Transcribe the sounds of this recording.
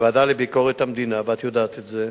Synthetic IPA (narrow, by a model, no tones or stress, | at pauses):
vadalebiko̞ʁet̪hamd̪inabat̪jod̪aːt̪etze